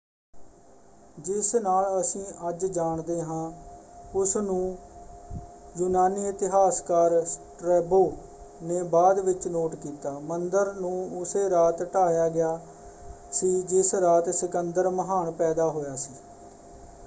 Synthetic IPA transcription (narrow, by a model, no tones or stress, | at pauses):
d͡ʒɪsnaːləsĩːʔəd͡ʒd͡ʒaːɳd̪eːɦãː | ʊsnũː | juːnaːniːɪt̪ɪɦaːskaːɾsʈɾɛːboː | neːbaːd̪ʋɪt͡ʃnoːʈkiːt̪aːmənd̪əɾnũːʊseːɾaːt̪ʈaːjaːɡɪjaː | siːd͡ʒɪsɾaːt̪sɪkənd̪əɾməɦaːɳpɛːd̪aːɦoːjaːsiː